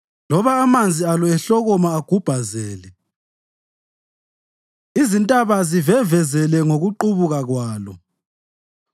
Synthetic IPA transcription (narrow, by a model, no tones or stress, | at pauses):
lɔβaːmand͡zʱialɔɛɬɔɣɔmaːɡ̥ʱub̥ʱazɛːlɛ | izintʼaβazivɛvɛzɛlɛŋoɣuǃuβuɣaɣwaːlɔ̰